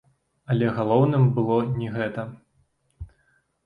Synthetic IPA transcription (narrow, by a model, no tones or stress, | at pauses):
ɐlʲɛɣalˠɔwnɨmbɨlˠɔnʲɛɣɛt̪ɐ